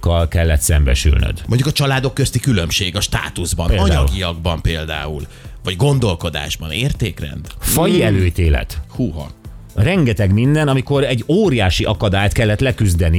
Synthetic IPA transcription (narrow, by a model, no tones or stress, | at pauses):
kːɒlkɛlːɛt̪sɛmbɛ̰ʃy̰lnø̰d̪moɲɟukɒt͡ʃɒlaːd̪o̞kːøst̪ikylømʃeːɡɒʃt̪a̰ːt̪uzbɒnːɒd̪ɲɒɡijɒɡ̚bɒmpeːld̪a̰ːul | vɒɟɡo̞nd̪o̞lko̞d̪a̰ːʒbɒneːrt̪eːkrɛ̰nd̪fɒjiɛløːit̪eːlɛ̰t̪huːɦɒ̰ | rɛŋɡɛt̪ɛɡmind̪ɛnɒmiko̞ɾɛɟːoːɾijaːʃiʔɒkɒd̪aːjt̪kɛlːɛt̪lɛkyzd̪ɛni